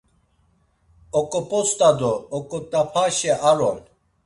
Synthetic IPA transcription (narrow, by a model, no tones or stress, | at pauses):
okopost̪ad̪oːkot̪apʰaɕeʔaɾon